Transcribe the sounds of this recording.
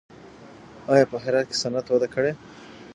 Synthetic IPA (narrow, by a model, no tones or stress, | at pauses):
ɑjɑpəɦɪɾɑd̪̚ke̥sanat̪wad̪akəɽe